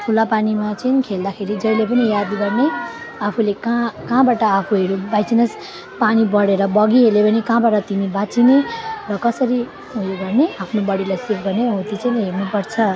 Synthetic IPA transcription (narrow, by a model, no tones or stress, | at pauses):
tʰulapanimat͡sʌnkʰeld̪akʰeɾid͡zʌjlepʌnijad̪ɡʌrne | apʰulekãkãbaʈʌːpʰuɦʌɾubajt͡sinʌs | panibʌɽeɾʌbʌɡiɦelepʌnikãbaʈʌt̪inibat͡sinerʌkʌsʌɾi | ɦũjoɡʌrneapʰnobʌɽilajsipʰɡʌrneɦõt̪it͡sʌjnɦernupʌɾt͡sʰʌ